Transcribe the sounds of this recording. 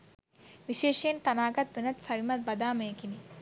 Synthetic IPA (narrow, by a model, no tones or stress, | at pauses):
ʋiʃeːʂeːnt̪ɐnaːɡɐt̪̚ʋinɐt̪sɐʋimɐt̪̚bɐd̪aːmeːkini